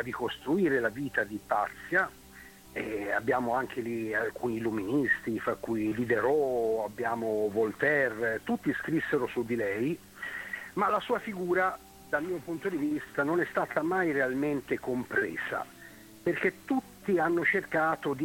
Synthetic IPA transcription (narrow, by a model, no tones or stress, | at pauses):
rikost̪ɾuiːɾelaviːt̪ad̪ipat̪sːja | ɛabːjaːmoaŋk̟ʰelialkʰuːniːluminist̪ifɾakːujlid̪eɾɔabːjaːmovolt̪ɛrt̪ut̪ːiskɾisːeɾosud̪ːilɛj | malasuːafiɡuːɾa | d̪almiːopunt̪od̪ivist̪anonɛst̪aːt̪amajrealment̪ekompɾḛːz̥a̰ | perket̪ːut̪ːianːot͡ʃerkaːt̪od̪i